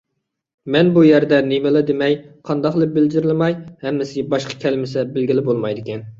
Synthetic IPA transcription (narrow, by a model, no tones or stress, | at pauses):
mɛnbujæɾd̪ɛnemɨlˠɨd̪emɛjqʰɑnd̪ɑqlˠɨbɪld͡ʒɪɾɪlˠɨmɑjhɛmːɪsɪbɑʃqʰɑ̥kʲʰɛlɪmɪsɛbɪlɡʲilɪbolˠmɑjd̪ɪkʲʰɛn